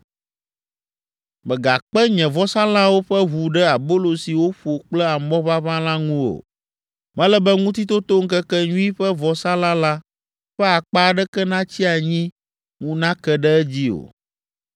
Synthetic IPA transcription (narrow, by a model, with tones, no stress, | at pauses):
mɛ̃˨ɡa˨k͡pɛ˦ɲɛ̃˨vɔ˦sã˦la˦wo˦ɸɛ˦βu˨ɖɛ˦a˨bo˦lo˨si˨wo˦ɸo˨k͡plɛ˦a˨mɔ̃˦βa˦βã˦lã˦ŋũ˦o̰˨ | mɛ̃˦lɛ˦bɛ˦ŋũ˦t̪̬i˦t̪o˦t̪o˦ŋ̩˦kɛ˦kɛ˦ɲũ˦i˦ɸɛ˦vɔ˨sa˦la˦la˦ | ɸɛ˦a˨k͡pa˦ɖɛ˦kɛ˦nã˦t͡ɕi˦a˨ɲĩ˦ | ŋũ˦nã˦kɛ˦ɖɛ˦ɛ˦d͡ʑi˦o̰˨